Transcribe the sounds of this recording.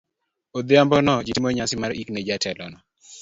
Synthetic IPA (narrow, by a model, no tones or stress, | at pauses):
od̪ɪambɔnɔd͡ʒitimɔɲasɪmaɾikned͡ʒatɛlɔnɔ